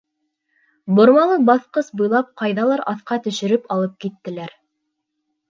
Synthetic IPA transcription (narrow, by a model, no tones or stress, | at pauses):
bŏɾmɑlˠɤbɑθqɤsbɤ̆jlˠɑp̚qɑjðɑlˠɑɾʔɑθqɑt̪ɵ̆ʃɘ̆ɾɘpɑlˠɤp̚kit̪ːɘ̆læɾ